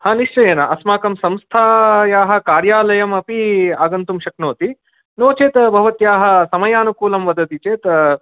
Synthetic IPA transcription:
haːniʂt͡ʃɐjeːnɐʔɐsmaːkɐmsɐmst̪ʰaːjaːɦɐ̆kaːɾjaːlɐjɐmɐpiaːɡɐnt̪umʃɐknoːt̪i | noːt͡ʃeːt̪bʱɐʋɐt̪jaːɦɐ̆sɐmɐjaːnukuːlɐmʋɐd̪ʱɐt̪it͡ʃeːt̪

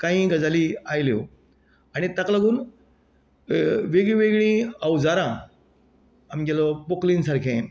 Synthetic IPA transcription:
kãɦĩɡəd͡zaliajlo | añit̪aklaɡuːn | ʋeɡɭĩʋeɡɭĩawd͡zaɾã | amd͡ʑalɔpokliːnsaɾkʰẽ

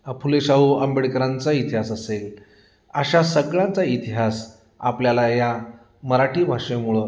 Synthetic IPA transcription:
əpʰuleɕaɦuəmbeɽkəɾãnt͡sait̪iɦasəsel | əɕasəɡɭãnt͡sait̪iɦas | apljalaja | məɾaʈiːbʱaʂẽmuɭo

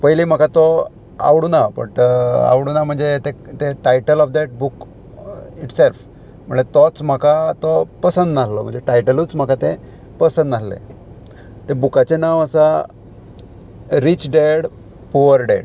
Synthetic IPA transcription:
pəjlim̤akat̪ɔ | a̰ʋɽunabə̰ɳʈa̰ʋɽunam̤əɳd͡zet̪et̪eʈajʈəlɔfd̪ɛʈ̚buk | iʈself | m̤əɳd͡zet̪ɔt͡sm̤akat̪ɔpəsənd̪naslɔm̤ə̰ɳd͡zeʈajʈəlut͡sm̤akat̪e | pəsə̃nd̪naslḛ | t̪ebukat͡ɕenaʋəsa | ɾit͡ɕɖeɽ | puʋəɾɖḛɽ

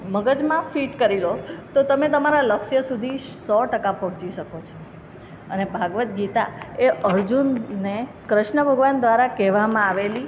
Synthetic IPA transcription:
məɡəd͡ʒmãfiʈkəɾilot̪ot̪əmet̪əmaɾaləkʃjəsud̪ʱisɔʈəkapɔɦɔ̃t͡ʃiʃəkot͡ʃʰo | ənebʱaɡʋət̪ɡit̪aeʔəɾd͡ʒunːe | kɾəʃɳəbʱəɡʋand̪ʋaɾakɛʋamãaʋeli

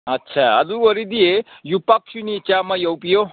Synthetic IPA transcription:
ɐtːt͡ʃʰaa̰d̪uɡɔɾid̪ijejupaksunit͡ʃamajɔwpijo

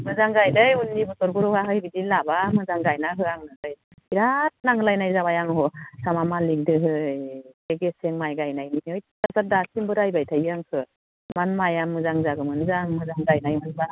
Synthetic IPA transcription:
mɯzaŋɡajdɯjunːibusɔɾbɯɾɔhaɦɯjbidilabamɯzaŋɡajnaɦɯaŋnɯhɯj | iɾat̚naŋɯlajnajzaβajaŋɦɔsamamaliŋdɯɦɯjeɡeseŋmajɡajnajniniɯjtasap̚dasʰimbɯɾajbajtʰajaŋkʰɯ | manmajamːɯzaŋzaɡɯmɯnɯzaŋmɯzaŋɡajnajmunba

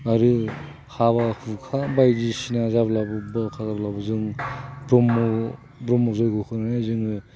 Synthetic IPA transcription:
aɾɯ | hʰaβahukʰabajdisinazablabɯbɯkʰazablabɯzɯŋbɾɔmɔ | bɾɔmɔzɔjɡɯkʰɯnanazɯŋɯ

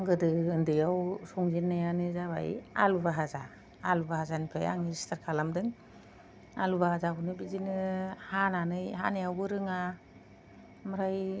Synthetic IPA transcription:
ŋɡɯdɯɯndɯjawsɔŋzinːajanɯzaβa̰j̰a̰lubaɦazaː | lubahazanipʰaja̰ŋiɾstʰaɾkʰalamdɯŋ | a̰lubahazabɯnɯbizinɯhananɯjɦa̰najawbɯɾɯŋa | maɾaj

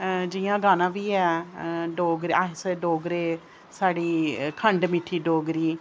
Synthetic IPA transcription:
d͡ʒɪːjãːɡaːnãːʋiːɛːɖoːɡɾaseɖoːɡɾeː | saːɽiːkʰəɳɖmɪʈʰːiːɖoːɡɾiː

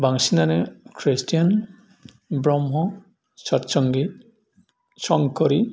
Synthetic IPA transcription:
baŋsinanekʰɾistʰijan | bɾɔmɦɔ | sɔtsɔŋɡi | sɔŋkɔɾi

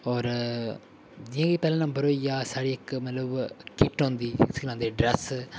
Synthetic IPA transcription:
ɔːɾ | d͡ʒiãːɡiːpɛːlãːnãbəɾoːijaːsaːɽiːɪkmət̪ləbkɪʈɦõːnd̪iːsklãːd̪eːɖɾɛs

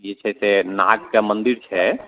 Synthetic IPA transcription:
et͡ʃʰɛsena̰ɡkemənd̪iɾt͡ʃʰɛ

